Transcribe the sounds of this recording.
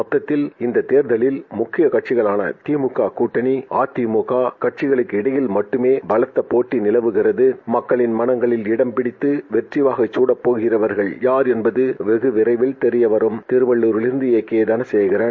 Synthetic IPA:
mɔt̪ːɐt̪ːɪlɪnd̪ɐt̪eːɾðɐɭɪlmʊkːɪjɐkɐʈ̚t͡ʃɪɣɐɭaːnɐ̰t̪iːmɯkːaːkuːʈːɐniaːt̪ːimokaːkɐʈ̚t͡ʃɪɣɐɭɯkːɪɽɐjɪlmɐʈːɯmeːbɐlɐt̪ːɐpoːʈːinɪlɐʋɯɣɪrɐðɯmɐkːɐɭɪnmɐnɐŋɡɐɭɪlɪɽɐmpɪɽɪt̪ːɯʋɛʈrɪʋaːɣɐt͡ʃːuːɽɐpːoːɣɪrɐʋɐɾɣɐɭjaːɾɛnbɐðɯʋɛɣɯʋɪɾɐɪʋɪlt̪ɛɾɪjɐʋɐɾɯmt̪ɪɾɯʋɐɭːuɾʊɭɪɾɯnd̪ɯeːkːeːd̪ɐnɐsɛjɣɪrɐː

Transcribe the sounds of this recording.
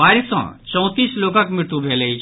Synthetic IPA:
aːɾsɔ̰̃t͡ʃɔ̃w̃t̪iːsloːkãkmɪɾt̪ubʱeːləi

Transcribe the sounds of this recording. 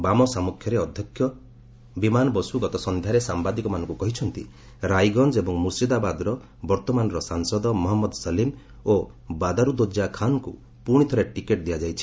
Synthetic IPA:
bamɔsamukʰjɔɾeɔd̪ʱjɔkʰjɔ | bimanɔbɔsuɡɔt̪ɔsɔnd̪ʱjaɾesambad̪ikɔmanɔŋkukɔɦit͡ʃʰɔnt̪ḭ | ɾajɡɔnd͡ʒebɔŋmusid̪abad̪ɾɔ | bɔɾt̪ɔmanɔɾɔsaŋsɔd̪ɔmɔɦɔmːɔd̪ɔsɔlim | o | bad̪aɾud̪od͡ʒakʰanɔkṵ | puɽ̃it̪ʰɔɾeʈikeʈ̚d̪ijad͡ʒajt͡ʃʰi̥

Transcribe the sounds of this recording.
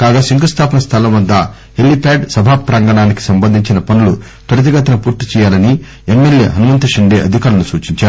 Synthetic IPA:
kaːɡaːsiŋɡɐst̪ʰaːpɐnɐst̪ʰɐlɐmʋɐd̪ːɐ | helːipeːɖsɐbʱaːpɾaːŋɡɐɳaːniki̥sɐmbɐnd̪ʱiɲt͡ʃinɐpɐnulu | t̪ɐɾɐt̪̬ɐɡɐt̪ɐnɐpuːɾt̪ːi̥t͡ʃɛːjaːlɐni | emːeljḛːɦɐnuʋɐnt̪ɐʃiɳɖeːʔɐd̪ʱikaːɾɐnusuːt͡ʃiɲt͡ʃaːɾu

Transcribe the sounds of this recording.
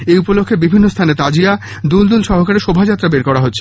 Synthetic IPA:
eupolokʰːebibʱinːost̪ʰanet̪ad͡ʑia | d̪uld̪ulʃɔɦokaɾeɾʃobʱad͡ʑat̪ːɾabeɾkɔɾaɦotːɕʰe̥

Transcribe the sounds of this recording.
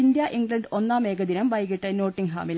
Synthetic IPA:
ind̪jɐʔiŋɡɭɐɳɖonːaːmeːɡɐd̪inɐmʋɐjɣiʈːɐnoːʈːiŋɡɦa̰ːmil

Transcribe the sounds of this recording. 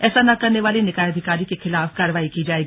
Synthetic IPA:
ɛːsanɐkɐɾneʋaːlenɪkaːjəd̪ʱɪkaːɾikexɪlaːfkaːɾəʋaːikid͡ʒaːeːɡi

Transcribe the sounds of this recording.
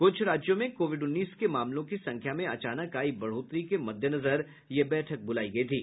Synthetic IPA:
kʊt͡ʃʰɾaːd͡ʒjõmẽkoːʋɪɖʊnːiːskemaːmlõkisɐ̃ŋkʰjamẽɐt͡ʃaːnəkaːibɐɽ̤oːt̪ɾikemɐd̪ʱjənɐzəɾ | jebɛːʈʰək̚bʊlaːiɡɐit̪ʰiː

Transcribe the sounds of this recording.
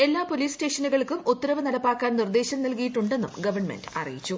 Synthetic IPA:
e̞lːaːpo̞liːste̞ːʂɐnuɣɐɭkumʔut̪ːɐɾɐʋɐnɐɽɐpːaːkːaːnnird̪e̞ːɕɐmnilkijiʈːuɳɖe̞nːumɡɐʋɐrɳmḛndɨɐ̰rḭjit͡ɕːu

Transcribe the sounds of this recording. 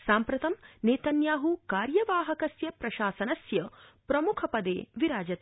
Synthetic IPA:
saːmpɾɐt̪ɐmneːt̪ɐnjaːɦukaːɾjɐʋaːɦɐkɐsjɐpɾɐʃaːsɐnɐsjɐpɾɐmukʰɐpɐd̪ḛːʋiɾaːd͡ʒɐt̪

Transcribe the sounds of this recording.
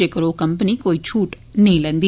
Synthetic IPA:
ekɐɾoːkɐmpɐnikoːjit͡ʃuːʈ | niːlɐnd̪i

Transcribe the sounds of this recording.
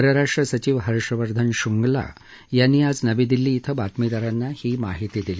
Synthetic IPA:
əɾəɾaʂʈɾəsət͡ɕiːʋɦəɾʂɾəʋəɾd̪ʱənɕuŋɡla̰ | janːiːad͡znəʋid̪ilːiːt̪ʰəbat̪mid̪əɾanːahiːma̰ɦit̪iːd̪ili

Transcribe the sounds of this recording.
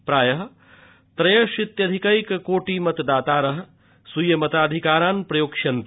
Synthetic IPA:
pɾaːjɐɦ | t̪ɾɐjɐʃit̪jɐd̪ʱikɐikkoːʈiːmɐt̪d̪aːt̪aːɾɐɦ | sujɐmɐt̪aːd̪ʱikaːɾaːnpɾɐjoːkʃɐnt̪

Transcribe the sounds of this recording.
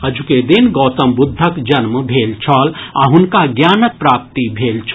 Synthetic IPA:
ɦɐd͡ʒʱuked̪inɡɔːt̪ɐmbud̪ʱːəkd͡ʒɐnməbʱeːlt͡ʃʰɔːlaɦʊnkaɡjaːnək̚pɾaːp̚t̪ibʱeːlt͡ʃʰ

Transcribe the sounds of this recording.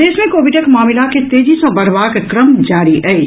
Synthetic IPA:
eːsmẽkoːʋɪɖəkmaːmɪlaket̪eːd͡ʒisɐ̃bɐɽʋaːkkɾəmd͡ʒaːɾiʔɛe

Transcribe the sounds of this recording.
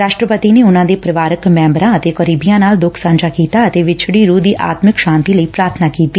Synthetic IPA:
ɾaːʃʈɾəpət̪iːneːʊnãːd̪eːpɾəʋaːɾəkmɛ̃ːmbɾãːət̪eːkəɾiːbijãːnaːld̪ʊkʰsãːnd͡ʒaːkiːt̪aːət̪eːʋɪt͡ʃʰɽiːɾuːd̪iːʔa̰ːt̪mɪkʃãːnt̪iːləiːpɾaːɾt̪ʰnaːkiːt̪iː

